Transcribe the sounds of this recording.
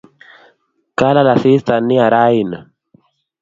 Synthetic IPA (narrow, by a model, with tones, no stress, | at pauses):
ka˦la˦la˨θi˦st̪a˨nːi˦a˨ɾa˦i˨na˨